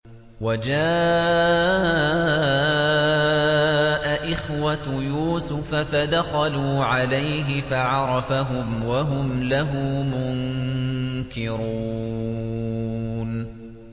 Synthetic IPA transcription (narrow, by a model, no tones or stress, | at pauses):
wad͡ʒaː | ʔaʔɪxwajuːsʊfafad̪axaluːʕalajɦɪfaʕɑɾˤɑfaɦʊmwaɦʊmlaɦʊmʊŋ | kɪɾuː | n